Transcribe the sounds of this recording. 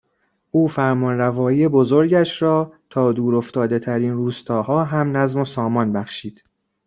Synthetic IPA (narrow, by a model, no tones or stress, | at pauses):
ʔuːfæɾmɒnrævɒːiːebo̞zoɾɟæʃɾɒːt̪ʰɒːd̪uːɾo̞ft̪ɒːd̪e̞t̪ʰæɾiːnruːst̪ʰɒːhɒːɦæmnæzmosɒːmɒnbæxʃiːd̪̥